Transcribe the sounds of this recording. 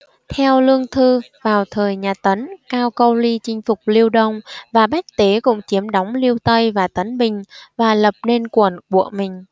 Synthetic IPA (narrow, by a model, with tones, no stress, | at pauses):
t̪ʰɛ˧wlɨ˧əŋt̪ʰɨ˧ | vaː˨˩wt̪ʰəː˨˩jɲaː˨˩t̪ə˨˦nkaː˧wkə˧wli˧t͡ɕï˧ŋ̟fʊ˨˩k͡p̚li˧əwɗə˧wŋ͡mvaː˨˩ɓa˦˥jk̚t̪e˨˦kʊ̰˧˥ŋ͡mt͡ɕi˨˦əmɗɔ˨˦wŋ͡mli˧əwt̪ə˧jvaː˨˩t̪ə˨˦nɓï˨˩ŋ̟vaː˨˩lə˨˩p̚ne˧nkwə˧˩nɓṵ˧˩əmï˨˩ŋ̟